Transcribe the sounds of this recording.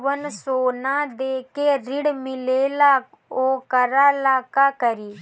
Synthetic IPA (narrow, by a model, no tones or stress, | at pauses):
ʋənsoːnãːd̪eːkeːɾɪɽmɪleːlaːk | oːkəɾaːlaːkaːkəɾiː